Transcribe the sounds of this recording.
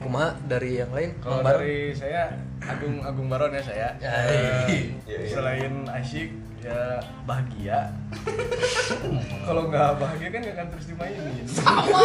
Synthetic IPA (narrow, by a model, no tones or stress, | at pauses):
kumaɦadaɾijaŋlaɪnkalaobaɾisajaː | ɡʊŋaɡʊŋbaɾɔnjasaja | səlaɪnaʃɪk̚ | ja | baɦaɡia | kaloŋɡabaɦaɡiakanɡakant̪əɾusd̪imainɪ